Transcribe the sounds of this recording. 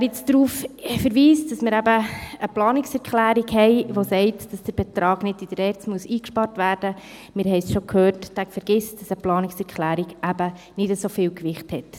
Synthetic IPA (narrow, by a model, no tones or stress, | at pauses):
æɾjɪt͡sdɾuːffəɾʋiːsd̥ɑsmɪːɾæbəəplɑːnɪksɛɾkχlæːɾiɡhɛɪʋosɛɪtd̥ɑsd̥əɾb̥ɛtɾɑːɡnɪdid̥əɾɛːɾt͡smuəsiːkʃpɑɾtʋæːɾd̥ə | mɪːɾhɛɪsʃokʰhøːɾtd̥ækfəɾɡ̥ɪstd̥ɑsəplɑːnɪksɛɾkχlæːɾiɡæbə | nɪdəsofɪːwkʋɪχthɛt